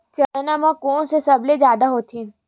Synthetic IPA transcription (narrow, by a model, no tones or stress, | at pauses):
t͡ʃɐlnamãkõːsesɐbled͡ʒjaːd̪aɦoːt̪ʰĩ